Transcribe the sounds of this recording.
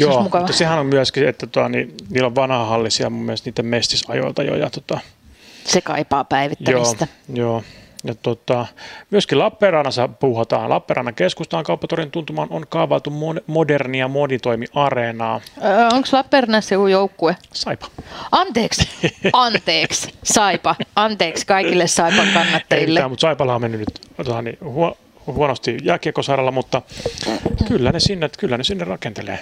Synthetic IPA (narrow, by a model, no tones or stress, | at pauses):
joːmuukɑuʋɑtːɑsehænommyæskiet̪ːæt̪oɑniniːlːoʋʋɑnhɑhɑlːisiɑ̰mumːielest̪niːt̪ːemmest̪isɑ̰jo̰ilt̪ɑjo̰jɑ̰t̪ot̪ɑ | sekɑ̰ipɑːpæiʋit̪jːæoiːst̪æjoːjɑt̪ot̪ɑmyæskilɑpːeːrɑːnɑsɑpuːhɑt̪ɑ̰ːnlɑ̰pːeːrʔɑ̰nɑkeskust̪ɑːŋkɑupːɑt̪orint̪unt̪umɑːnonkɑːʋɑlt̪ummomoderniɑmonit̪oimiʔɑrenɑːoŋkslɑpːerɑnɑsekujoukːuesɑipɑ̥ɑnt̪eːksɑnt̪eːkssɑipɑɑnt̪eːkskɑikilːessɑipɑŋkɑnːɑt̪ːɑjilːeæːmut̪sɑipɑlɑːmenːynyt̪t̪ot̪ɑnḭhuo | huonost̪ijæːkikːosɑɾɑlːɑmut̪ːɑ | kylːænesinːet̪kylːænesinːerrɑkent̪elḛː